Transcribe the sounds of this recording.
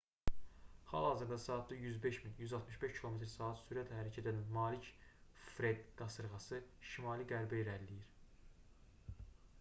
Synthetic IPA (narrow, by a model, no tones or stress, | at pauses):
hɑ̰lˠhɑːzɯɾd̪ɑsɑːt̪̚ʰd̪ɑjyzbe̞ʃminjyzɑlˠt̪ʰmɯʃbe̞ʃcʰilˠo̞me̞t̪ɾsɑːɑt̪syɾæt̪ʰhæɾæcʰæd̪ænnmɑːlicfɾed̪ɡ̥ɑsɯɾɣɑsɯʃimɑːliɡæɾbæiɾæɾlːijiɾ